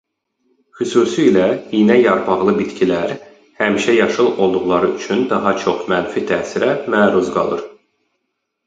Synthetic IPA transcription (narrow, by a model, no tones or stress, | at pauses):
χysuːsiːlæinæjɑɾpʰɑʁlˠɯbit̪cʰilæɾ | hæmiʃæjɑʃɯlˠo̞lˠd̪uɣlˠɑɾɯyt͡ʃʰynd̪ɑɦɑt͡ʃʰo̞χmænfit̪ʰæːsiɾæmæːɾuzɡɑ̰lˠɯɾ